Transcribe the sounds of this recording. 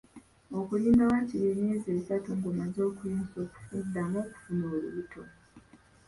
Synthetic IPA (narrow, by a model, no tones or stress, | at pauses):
okuliːmbawaciɾeːmeːzesatuŋɡomazo̞ːkuiːnsoku̥fundamo̞ːku̥funoːlṵβutʰo